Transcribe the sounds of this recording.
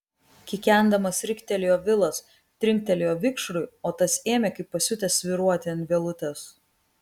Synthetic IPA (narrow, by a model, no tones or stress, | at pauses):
kʲɪkʲɛˑnd̪ɐmɐsɾʲɪkʲt̪ʲɛlʲɪjoːʋʲɪlˠɐs | t̪ʲɾʲɪŋʲk̚ʲt̪ʲɛlʲɪjoːʋʲɪkʃɾʊɪoːt̪ɐseːmʲeːkɐɪpːɐsʲʊt̪ʲɛsʲʋʲɪɾuɔt̪ʲɪɐnt̪ʲʋʲɛlˠʊt̪ʲɛs